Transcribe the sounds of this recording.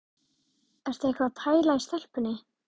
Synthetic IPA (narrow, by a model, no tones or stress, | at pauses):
ɛɾ̥t̪ɛhkvat̪ʰaːjlajɪst̪ɛl̥pʏnːɪ